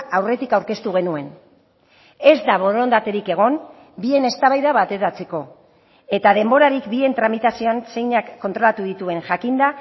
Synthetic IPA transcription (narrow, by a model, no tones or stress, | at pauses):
awre̞t̪ikawɾke̞st̪uɣ̞e̞nue̞n | e̞zd̪aβo̞ɾond̪at̪e̞ɾike̞ɣ̞o̞n | bie̞ne̞st̪aβajðaβat̪e̞ɾat͡se̞ko̞ | e̞t̪aðe̞mbo̞ɾaɾikbie̞nt̪ɾamit̪asio̞anse̞jɲakːo̞nt̪ɾo̞lat̪uðit̪ue̞ŋʝakind̪a